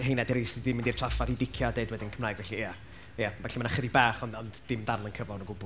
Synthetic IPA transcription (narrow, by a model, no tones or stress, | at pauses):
hejnadɛɾijsdidɪmɪndirtʰrafaðidɪkʰjɔdeɨdwɛdɪnkʰəmnaːjɡvɛɬia | javɛɬimanaχəðibaːχɔnɔndd̥ɪmdarlˠənkʰəvɔnəɡʊbʊ